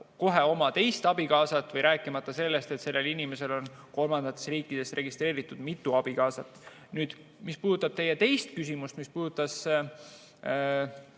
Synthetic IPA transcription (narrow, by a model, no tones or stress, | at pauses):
ko̞ɦeo̞mɑt̪e̞jst̪ɑbikɑːsɑt̪ːˑvɤjɾʔæːkːˑimɑt̪ːˑɑse̞lːe̞st̪e̞t̪se̞lːe̞linime̞se̞lo̞n | ko̞lmɑnd̪̥ɑt̪ˑːe̞sriːkːˑid̪̥e̞sre̞ɡist̪ɾe̞ːɾit̪ːˑud̪̥mit̪ːˑuɑb̥ikɑːsɑt̪ːˑ | nyːd̪̥ | mispuːd̪ut̪ːˑɑb̥̚t̪e̞jet̪e̞jst̪kysimust̪mispuːd̪ut̪ːˑɑs